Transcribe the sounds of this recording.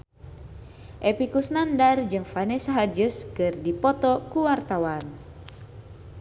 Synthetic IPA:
ʔepikusnandard͡ʒɨŋfanɛsaɦad͡ʒuskɨrdipɔt̪ɔkuwart̪awan

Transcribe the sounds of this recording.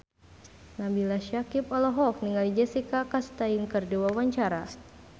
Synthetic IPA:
nabilaʃakipɔlɔɦɔk̚niŋalid͡ʒɛsikakast̪ainkərduwawaɲt͡ʃaɾa

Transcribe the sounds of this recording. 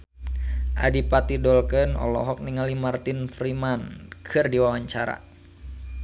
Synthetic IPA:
ʔa̰dipat̪idɔlkənɔ̰lɔ̰ɦɔk̚niŋalimart̪ɪnfrimankʰɨrdiwawaɲt͡ʃaɾa̰

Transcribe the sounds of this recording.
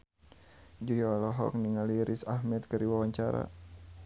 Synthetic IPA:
d͡ʒujɔlɔɦɔ̰k̚niŋaliɾʔisahmɛt̪̚kəɾiwawaɲt͡ʃaɾa̰

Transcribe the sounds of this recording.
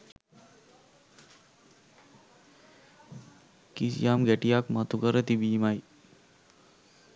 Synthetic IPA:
kisjamɡɛʈijakmat̪ukəɾət̪ibiːmaj

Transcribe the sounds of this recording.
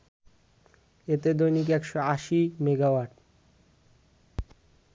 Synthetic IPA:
et̪ed̪ojnikɛkʃoaʃimeɡawaɖ

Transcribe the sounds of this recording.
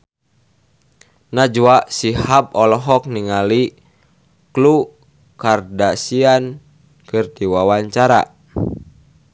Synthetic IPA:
nad͡ʒuaʔsihapɔlɔɦɔk̚niŋali | klu | kardasian | kɨrd̪iwawaɲt͡ʃaɾa̰

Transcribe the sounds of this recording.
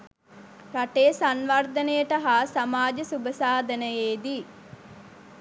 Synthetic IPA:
pɾɐʈeːsanʋɐrd̪ɐnəjəʈɐɦaːsamaːd͡ʒɐsubɐsaːd̪ɐnəjeːd̪i

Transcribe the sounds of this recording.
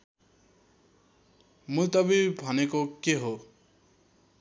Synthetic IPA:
mut̪ʌbibʱʌnekokeɦo

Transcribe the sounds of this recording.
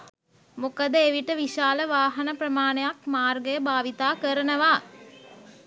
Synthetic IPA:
mukəd̪əeʋiʈəʋiʃaːləʋaːɦɐnəpɾəmaːnejakmaːrɡəjəbaːʋit̪aːkəɾənəʋaː

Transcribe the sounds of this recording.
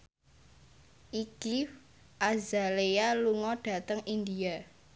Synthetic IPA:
ʔiki | ʔazalealuŋɔɖ̥ä̤t̪əŋind̪ia

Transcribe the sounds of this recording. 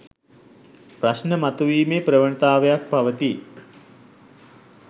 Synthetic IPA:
prasnəmat̪uʋiːmepɾəʋəɳt̪aːʋəjak̚paʋət̪i

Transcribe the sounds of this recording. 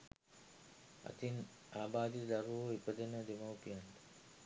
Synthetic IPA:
ɐ̰t̪in | aːbaːd̪id̪aɾuʋoipəd̪enəd̪emawpijant̪ə̥

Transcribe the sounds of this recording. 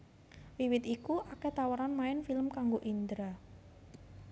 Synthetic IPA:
wiwɪt̪ikuʔakɛt̪awəɾanmaɪnfiləmkaŋɡoʔind̪ɾa

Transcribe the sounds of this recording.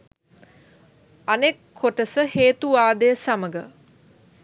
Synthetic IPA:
anekʰːoʈəsəheːt̪uʋaːd̪əjəsaməɡə

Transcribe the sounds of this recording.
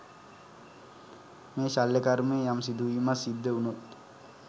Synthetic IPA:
meːʃalːekaɾmeːjamsid̪uimasid̪ːeunot̪

